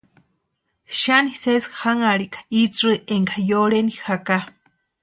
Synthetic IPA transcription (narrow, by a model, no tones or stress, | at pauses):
ʃaniseshaŋaɾikḁit͡sɨeŋɡajoɽenixaka